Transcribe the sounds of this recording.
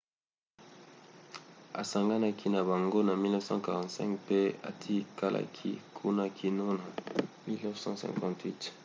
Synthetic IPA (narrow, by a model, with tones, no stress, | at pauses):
a̰˨sa˨ŋɡa˦na˦kʰi˦na˨ba˨ŋɡo˦na˨mi˦lnɔ˦fsɑ̰̃˦ka˨ʁɑ̃˨tsɛ̰̃˦ŋkpe˦a̰˨tʰi˦ka˦lʔa̰˨kʰḭ˦kʰu˦na˦kʰi˦no˦na˨mi˦lnɔ˦vsɑ̰̃˦sɛ̰̃˨ŋkɑ̃˨twi˦t